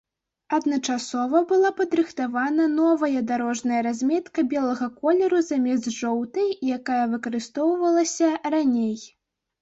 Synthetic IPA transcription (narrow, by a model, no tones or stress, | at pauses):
ɐd̪nɐt͡ʂasɔvɐbɨlˠapɐd̪ɾɨxt̪avanɐnɔvɐjɐd̪aɾɔʐnɐjɐɾazʲmʲɛt̪kɐbʲɛlˠɐɣɐkɔlʲɛɾuzamʲɛzʐɔwt̪ɨjakajɐvɨkɐɾɨst̪ɔwvɐlˠɐsʲɐranʲej